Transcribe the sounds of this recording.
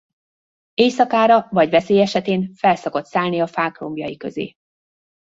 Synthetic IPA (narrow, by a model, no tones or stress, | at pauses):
eːjsɒkaːɾɒvɒɟvɛseːjɛʃɛt̪eːnfɛlsoko̞t̪saːlniɒfaːkro̞̰mbjɒjikøzḛː